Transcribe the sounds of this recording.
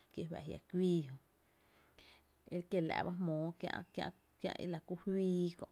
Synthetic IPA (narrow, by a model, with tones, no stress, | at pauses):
kje˧wɛ̰˧˨ɦja̰˧˨kʷwiː˦ɦõ˧ | e˦kje˨lɛ̰˨ba˦hmõː˨˦kjã̰˧ʔkjã̰˧ʔ | kjã̰˧ʔḭ˧˦la˨ku˦hwiː˧˦kõ̰˧˨ʔ